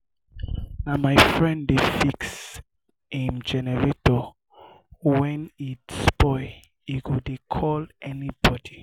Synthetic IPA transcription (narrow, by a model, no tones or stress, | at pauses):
namajfɹɛ̃ndefiks | ĩmd͡ʒɛnɛɹetɔ | wɛ̃nitspɔɪ | ikudekʰɔlɛnib̥ɔdi